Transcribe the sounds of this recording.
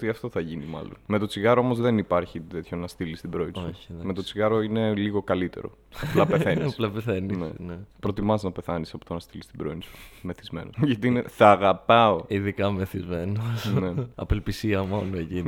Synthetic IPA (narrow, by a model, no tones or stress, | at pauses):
t̪iɐft̪o̞θɐʝinimɐ̰lo̞̰nme̞t̪o̞t͡siɣɐɾoo̞mozðe̞nipɐɾçit̪e̞t̪ço̞nɐst̪ilist̪ibɾo̞isouçme̞t̪o̞t͡siɣɐɾo̞ine̞liɣo̞kɐlit̪e̞̰ɾo̞̰ | ɐplɐeθe̞nisplɐpeθeninenepɾo̞t̪imɐznɐpe̞θɐnisɐpot̪onɐst̪ilist̪ibɾoinsu̥me̞θizme̞̰noʝɐt̪ineθɐːɣɐpɐoiðikɐmeθizmenosneɐ̰pelpisiɐmo̞noeci